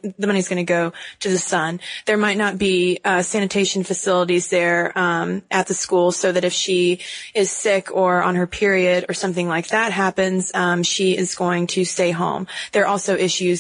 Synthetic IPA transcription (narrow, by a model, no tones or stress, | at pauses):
ðɨmʌñizɡʌñɨɡoʊɾɨðɨsʌ̃nðə˞maɪtⁿnət̚b̥isæñɨtʰeɪʃn̩fɨsɪlˠəɾizðə̃˞mʔɨt̪̚ðɨskulˠsoʊðɨɾɨfʃiɪz̥sɪkʰə˞ə̰̃nə˞pʰɪɹiɨɾə˞sʌ̃mθɪ̃ŋlaɪk̚ðæt̚ɦæpɨ̃nz̥mʃiɪzɡoʊɪ̃ŋtʰɨsteɪɦõ̰ʊ̃mðə˞ʔɔlˠsoʊʔɪʃʉz